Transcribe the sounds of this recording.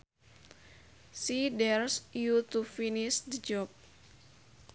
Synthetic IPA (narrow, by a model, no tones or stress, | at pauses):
sidɛrsjut̪ufinisd̪əd͡ʒɔp̚